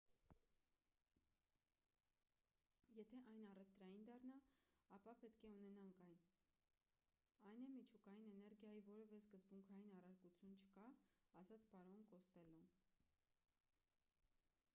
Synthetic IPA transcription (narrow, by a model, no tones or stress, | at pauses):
jɛt̪ʰɛʔɑjnɑrɛft̪ɾɑjind̪ɑrnɑɑpɑpɛt̪kʰɛunɛnɑŋkʰɑjn | ɑjnɛmit͡ʃʰukɑjinɛnɛɾɡjɑjivɔɾɛvɛskəzbuŋkʰɑjinɑrɑɾkut͡sʰjunt͡ʃʰə̥kɑɑzɑt͡spɑɾɔnkɔst̪ɛlɔn